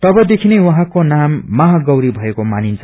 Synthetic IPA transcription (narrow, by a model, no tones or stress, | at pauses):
t̪ʌbʌd̪ekʰinewuɦãkonamːaɦaɡʌwɾibʱʌekomanint͡sʰʌ̥